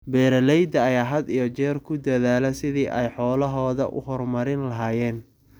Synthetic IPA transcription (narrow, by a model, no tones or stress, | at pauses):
bɛːɾɐlɛjd̪ɐːjaːɦɐd̪ijɔt͡ʃɛːrkʰʊd̪ɐðaːlɛsɪðiːʔɛjħɔːlɐɦɔːðɐ̰ʔʊ̰hɔrmɐɾɪnlɐɦaːjɛːn